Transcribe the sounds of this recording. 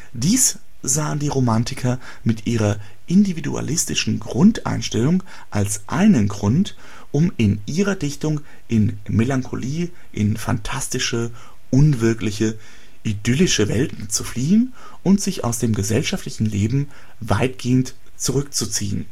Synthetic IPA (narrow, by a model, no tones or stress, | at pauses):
d̥iːs | z̥aːəndiːʁomantʰɪkʰɐ | mɪtʔiːʁɐ | ʔɪndividṵa̰lɪstɪʃn̩ɡʁʊntʔa̰ɪnʃtɛlʊŋ | ʔalsʔa̰ɪnənɡʁʊnt | ʔʊmɪnʔiːʁɐdɪçtʊŋ | ʔɪn | melaŋkʰo̰liː | ʔɪ̰nfa̰ntʰastɪʃə | ʔʊnvɪɐklɪçə | ʔidʏlɪʃəvɛltn̩t͡sufliːən | ʔʊntz̥ɪça̰ʊsd̥eːmɡəzɛlʃaftlɪçn̩leːbm̩ | vaɪtɡ̥eːənt | t͡suʁʏk̚t͡sut͡sḭːə̰n